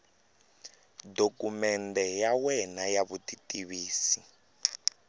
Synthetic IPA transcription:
dokumɛndɛjawɛnajaβutitiβiːsi

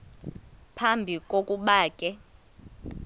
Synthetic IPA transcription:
pʰambʱikʼokʼuɓaːkʼɛ

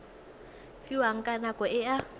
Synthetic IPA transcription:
fiwaŋ̩kʼanakʼɔɪa

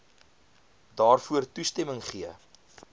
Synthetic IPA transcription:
dɑːrfuərtustɛməŋχiə

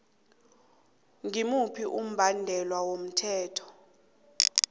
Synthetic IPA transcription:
ŋimupʰiʔum̩bʱandʱɛlwawom̩tʰɛːtʰɔ̥

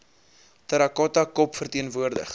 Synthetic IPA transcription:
tɐɾɐkɔtɐkɔpfərtiənvuərdə̰χ

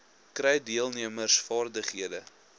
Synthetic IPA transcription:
krɛjdiəlˠniəmərsfɑːrdəχɦiədə

